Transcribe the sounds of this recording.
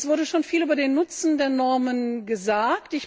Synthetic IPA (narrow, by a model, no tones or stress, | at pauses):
sv̥ʊɐɾəʃoːnfiːlʔyːbɐdeːnːʊt͡sn̩deːɐnɔɐmənɡəzaːktɪç